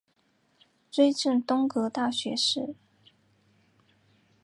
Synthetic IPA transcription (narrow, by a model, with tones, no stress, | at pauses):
ʈ͡ʂwe˥ɪʈ͡ʂə˥˩nt̪ʊ˥ŋkɤ˧˥t̪a˥˩ɕɥɛ˧˥ʂɻ̩˥˩